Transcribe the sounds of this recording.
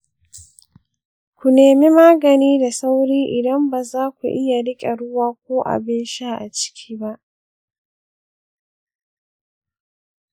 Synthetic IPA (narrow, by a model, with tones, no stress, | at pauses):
kʷu˨neː˨mi˦maː˦ɡɐ˨niː˦da˨sa˦wɽiː˦ʔɪ˨dɐ˦mbaː˨zaː˦kʷṵ˨ʔɪ˦ja˨ɽɪ˦kʲʼe˨ɽʊ˦waː˦kʷoː˦ʔa̰˨bɪ˦nʃa˦ʔa˨t͡ʃɪ̥˦kʲʰiː˦ba˦ʔ